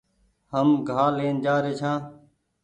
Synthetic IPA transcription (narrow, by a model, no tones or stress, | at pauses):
həmɡʱaːleːnd͡ʒaːɾeːt͡ʃʰãː